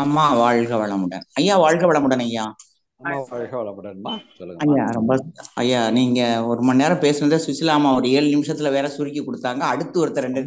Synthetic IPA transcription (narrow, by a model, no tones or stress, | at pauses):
ɐmːaːʋaːɻɣɐʋɐɭɐmʊɽɐ̰nɐjːaːʋaːɻɣɐʋɐɭɐmʊɽɐnɐjːaː | aːɻɣɐʋɐɭɐmʊɽɐnːsɔlːɐjaːɾɔmbɐsɐ̰jːaːniːŋɡɐɔɾɯmɐnːeːɾɐ̃peːsɯnɐðɯsɪsɪlaːmaɔɾɯeːɻɯnɪmɪʂɐt̪ːɪlɐʋeːɾɐsʊɾɪkʲːikːɔɽɯt̪ːaːŋɡɐːɽɯt̪ːɯɔɾɯt̪ːɐɾɛɳɖɯn